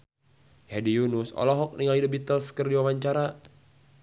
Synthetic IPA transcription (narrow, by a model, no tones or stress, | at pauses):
hadijunusɔ̰lɔɦɔk̚niŋalidubit̪əlskərdiwawaɲt͡ʃaɾa